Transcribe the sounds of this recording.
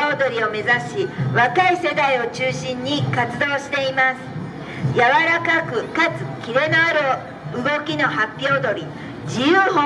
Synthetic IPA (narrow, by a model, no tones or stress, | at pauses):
od̪o̞ɾʲio̞me̞zaɕiβakaise̞d̪aio̞t͡ɕɨːɕĩɲ̟ːikat͡sɨd̪o̞ːɕi̥t̪e̞imasɨ̥ | jaβaɾakakɯ̟kat͡sɨ̥kʲiɾe̞naːɾo | ɯ̟ɡo̞kʲino̞hapʲːjo̞ːd̪o̞ɾʲi | d͡ʑijɯːɦo